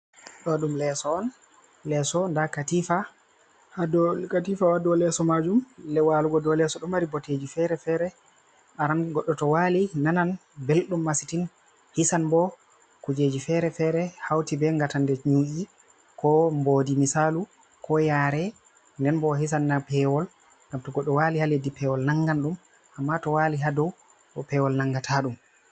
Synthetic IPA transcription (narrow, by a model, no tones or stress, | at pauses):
ɗɔɗumlɛsɔːn | lɛsɔndakatifa | hadɔkatifawadɔlɛsɔmad͡ʒumlɛwaluɡɔdɔlɛsɔɗɔmaɾiboted͡ʒifɛɾɛfɛɾɛ | ɓaɾanɡɔɗːɔtɔwalinananbelɗumːasitin | hisanbɔ | kud͡ʒed͡ʒifɛɾɛfɛɾɛhawtibɛŋɡatandɛɲuʔi | kʰɔmbodimisalu | kʰɔjaːɾɛ | ndɛnbɔɦis̬anːapɛwɔl | ŋɡamtɔɡɔɗːɔwalihaledipɛwɔlnaŋɡanɗum | ʔamːatɔwaliɦadɔw | ɔpɛwɔlnaŋɡatʰaɗum